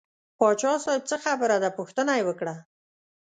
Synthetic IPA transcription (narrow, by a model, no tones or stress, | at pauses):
pɑt͡ʃɑsɑjb̚t͡səxabəɾad̪apuxt̪ənajewəkɽa